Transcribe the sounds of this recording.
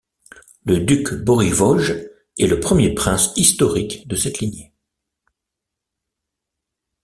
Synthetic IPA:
ləd̪ykbɔʁivɔʒ | ɛləpχəmjepχɛ̃sist̪ɔʁikd̪əsɛt̪liɲje

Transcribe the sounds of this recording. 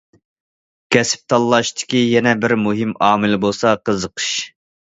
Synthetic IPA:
kʲʰɛsɪ̥p̚t̪ʰɑlˠːɑʃt̪ʰɪ̥kʲijɛnɛbɪɾmuɦɪmɑːmɪlbolˠsɑqəzəqʰɨ̥ʃ

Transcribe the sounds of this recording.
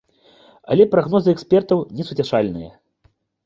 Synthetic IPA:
a̰lʲɛpɾaɣnɔzɨɛksʲpʲɛrt̪ɐwnʲɛsut͡sʲaʂalʲnɨjɐ̰

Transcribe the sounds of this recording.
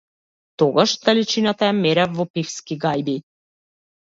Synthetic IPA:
t̪ɔɡaʃd̪alit͡ʃinat̪ajamɛɾɛvɔpifskiɡajbi

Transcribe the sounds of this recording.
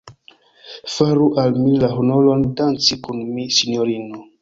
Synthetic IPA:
faɾuʔalmilaɦonolo̞ndant͡sikunmisinjoɾino

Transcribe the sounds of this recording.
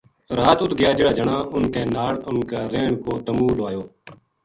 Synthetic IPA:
ɾaːt̪ʊt̪ɡɪjaːd͡ʒɪːɽaːd͡ʒəɳãːʔʊnkeːnaːɽʊnkaːɾeːɳkoːt̪əmuːlʋaːjoː

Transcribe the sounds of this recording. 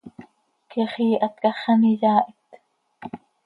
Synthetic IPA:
kiχiːʔɑt̪kɑχɑnijɑːʔit̪

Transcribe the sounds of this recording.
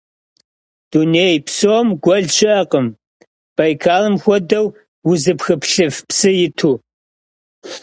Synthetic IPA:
d̥uneːjpsoːmɡʷɔɮt͡ʃɪʔɐqəm | b̥ɐjkʰaːlɨmxʷɔdɐw | wʊzɨpxɨpɬɨfpsɨjɪtʰuː

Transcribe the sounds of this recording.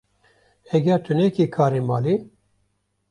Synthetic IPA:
ɛɡʲɛɾt̪ʰunɛkikʰaːɾimɑːli

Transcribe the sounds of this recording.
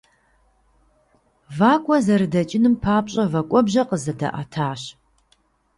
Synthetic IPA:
vaːkʷʼɔzɐɾɨdɐt͡ʃʼɪnɨmpʰaːpʼɕʼɐvɐkʷʼɔbʑɐqəzɐdɐ̰ʔa̰tʰaːɕ

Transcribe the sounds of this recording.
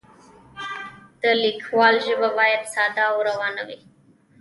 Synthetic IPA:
d̪̥əlikʰwɑlʒəbabɑjad̪sɑd̪awɾawɑːnawi

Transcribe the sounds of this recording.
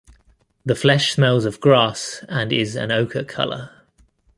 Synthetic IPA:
ðəflɛʃsmɛlˠzəvɡɹɑˑsə̃nɪzə̰̃nəʊkʰəkʰʌ̰lə̰

